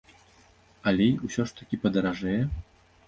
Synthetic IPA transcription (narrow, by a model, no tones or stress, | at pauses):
ɐlʲɛjusʲɔʂt̪ɐkʲipɐd̪ɐɾaʐɛjɛ